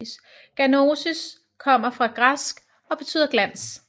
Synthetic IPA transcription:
s | ɡ̥æno̝sis | kʰɒ̽m̰ɐfʁɑ̈ɡ̥ʁasɡ̥ | ɒ̽b̥e̝̥t͡sʰy̰ːð̰ˠɐɡ̥læn̰s

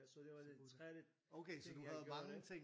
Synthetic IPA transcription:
oʊkʰeɪsɒ̽d̥uɦæð̩ˠmɑ̈ŋ̩t͡sʰeŋ̰

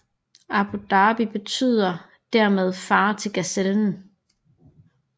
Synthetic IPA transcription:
ɑb̥ud̥ɑ̈ːb̥ib̥e̝t͡sʰy̰ːð̞̰ˠɐ | d̥æɐ̰með̞ˠfɑ̈ːt͡sʰe̝lɡ̥æseln̩

